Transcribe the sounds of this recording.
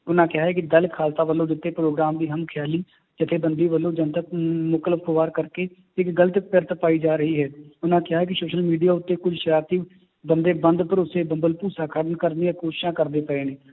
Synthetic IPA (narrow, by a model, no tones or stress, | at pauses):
ʊnãːkɪaːɦɛːkid̪əlkʰaːlt̪aːʋəlːõːd̪ɪt̪ːeːpɾoːɡɾaːmd̪iːɦəmkʰjaːliː | d͡ʒɪt̪ʰeːbənd̪iːʋəlːõːd͡ʒə̃nt̪əkmʊkələfkoʋaːɾkəɾke | ɪkɡələt̪ɪkpəɾt̪əpaːid͡ʒaːɾəɦiːɦɛːʊnãːkɪjɦaːɦɛːk̬ɪsoːʃəlmiːɖijaːʊt̪ːeːkʊd͡ʒʱʃəɾaːt̪iː | bənd̪eːbə̃nd̪pəɾʊsebə̃mbəlpuːsaːkʰəɾənkəɾniəkoːʃɪ̥ʃãːkəɾd̪eːpəeːneː